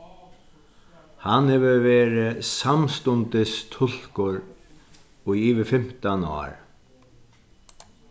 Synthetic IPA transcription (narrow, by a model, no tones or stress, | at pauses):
hanhɛvɪveːɾɪsamst̪ʊnt̪ɪst̪ʰʊl̥kʊɹ | ʊjiːʋɪfɪm̥t̪anɔ̰ːɾ